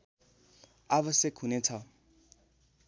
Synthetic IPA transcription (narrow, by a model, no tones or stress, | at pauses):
aβʌsjʌkɦunet͡sʰʌ